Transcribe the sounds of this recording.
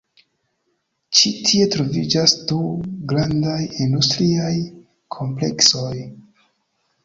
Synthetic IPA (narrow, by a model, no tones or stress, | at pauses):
t͡ʃitʰie̞tɾo̞vid͡ʒasduɡɾandajindustɾiaj | kʰo̞mple̞̰kso̞j